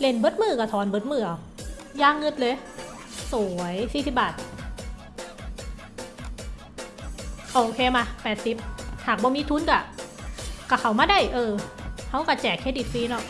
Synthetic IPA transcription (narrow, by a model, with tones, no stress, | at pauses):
le˧˩nbɤ˧˥t̪̚mɯː˧˩ka˧˩t̪ʰɔː˧˩nbɤ˧˥t̪̚mɯː˧˩ʔa˨˩w | jaː˧˥˩ŋːɤ˧˥t̪̚lɤː˧˥j | su˨˩˦jsiː˧˩si˨˧˩p̚baː˨˩t̪̚ | ʔoː˧ʔoː˧kʰeː˧maː˧˩pɛː˨˩t̪̚si˧˦p̚haː˨˩k̚bɔː˧˦miː˧˥t̪ʰu˧˥˨nka˧˩ | ka˧˩kʰa˧˩wmaː˧˥˨da˧˩jʔɤː˧˩hʰa˧˥wka˧˩t͡ɕɛː˨˩kʰːeː˧˥t̚di˧˩t̪̚fiː˧˥˨nɔ˧˩k̚